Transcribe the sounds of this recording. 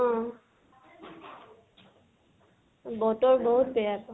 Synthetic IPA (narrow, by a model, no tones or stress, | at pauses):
ɔ̃ | bɔtɔɹbɔɦutpɛjakɔ